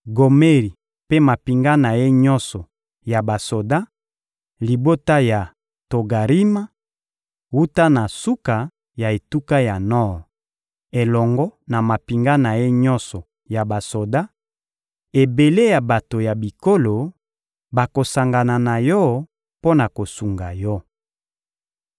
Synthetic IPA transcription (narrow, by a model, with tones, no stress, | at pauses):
ɡo˨me˦ʁi˨ | pe˦ma˨pi˨ŋɡa˦na˨je˦ɲɔ˦nsɔ˨ | ja˨ba˨so˨da˦ | li˨bo˦ta˦ja˨ | to˨ɡa˨ʁi˦ma˦ | wu˦ta˦na˨su˦ka˨ | ja˨e˨tu˦ka˦ja˨nɔ˦˨ʁ | e˨lɔ˨ŋɡɔ˦na˨ma˨pi˨ŋɡa˦na˨je˦ɲɔ˦nsɔ˨ | ja˨ba˨so˨da˦ | e˨be˨le˦ja˨ba˨to˨ja˨bi˨ko˦lo˨ | ba˨ko˨sa˨ŋɡa˨na˨na˨jɔ˦ | po˦na˨ko˨su˨ŋɡa˨jɔ˦